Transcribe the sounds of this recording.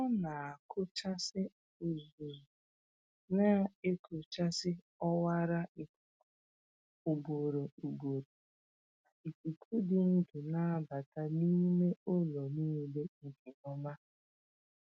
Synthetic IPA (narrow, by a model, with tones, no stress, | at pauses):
ɔ˦na˨a˨kʰʊ˦t͡ʃa˦sɪ˦ | ʊ˨zu˨zu˨ | na˦e˦ko˨t͡ʃa˦sɪ˦ | ɔ˦wa˦ɾa˦i˨ku˦ | ʊ˨ɡ͡bo˨ɾo˨u˨bo˨ɾo˨ | a˨i˨ki˨kʰu˦dɪ˨n̩˦dʊ˨na˦a˦ba˨ta˦niː˦me˦o˦lɔ˨niː˦de˦ŋ̩˨ɡi˨nɔ˦ma˦